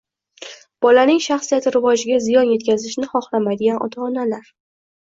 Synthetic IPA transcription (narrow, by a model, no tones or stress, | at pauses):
b̥ɒlanɪŋʃaχsijat̪ʰɪɾɪvɒd͡ʒɪɡʲazɪjɒnje̞t̪̚kʲʰazɪʃnɪχɒχlamajd̪ɪɡʲanɒ̰t̪ʰaːnalaɾ